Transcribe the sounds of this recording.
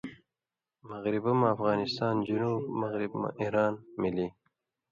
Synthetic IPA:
maɣɾɪbamaːfɣɑːnɪst̪ɑːnd͡ʒunuːbmaɣɾɪbma̰ʔihɾɑːnmili

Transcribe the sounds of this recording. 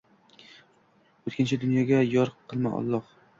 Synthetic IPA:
ɵt̪kʲɪnt͡ʃʰɪd̪ʊnjɒɡʲajɒɾqʰɨlˠma̰ʔɒ̰lˠːɒq

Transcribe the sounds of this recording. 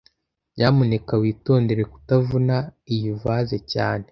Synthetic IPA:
jamune̞kawiːto̞ːnde̞ɾe̞ku̥tavunaijuvaːze̞ca̰ːne̞

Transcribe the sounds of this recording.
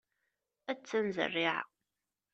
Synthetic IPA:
æt͡sːænzə̰rːiʕ̰

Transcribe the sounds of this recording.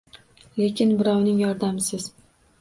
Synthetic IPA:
le̞kʲɪnbɪɾɒwnɪŋjɒɾd̪amsɪz̥

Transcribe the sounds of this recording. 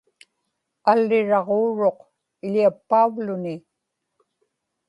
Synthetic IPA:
alːɪɻɑʁoːɻo̞q | ɪʎiapːauvlʊnɪ

